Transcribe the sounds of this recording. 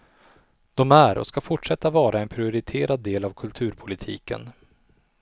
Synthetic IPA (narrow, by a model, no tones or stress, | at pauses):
d̪̥ɔmæɾɔ̰skafʊʈʂɛt̪ːavɑːɾʔaɛnpʰɾɪʊɾɪt̪ʰeːɾad̪ːeːlavkʰɵlt̪ʰʉ̟ːɾpʰʊlɪt̪ʰḭːkə̰n